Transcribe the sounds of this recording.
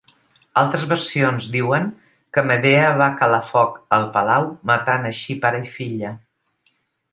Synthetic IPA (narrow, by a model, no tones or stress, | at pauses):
alˠt̪ɾəzβəɾsionzd̪iwəŋ | kəməðeəβakəlafɔkəlˠpəlawmət̪anəʃipaɾəifiʎə